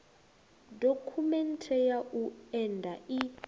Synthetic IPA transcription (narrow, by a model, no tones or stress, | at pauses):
dokʰumɛntʰɛjaʔuɛndʱai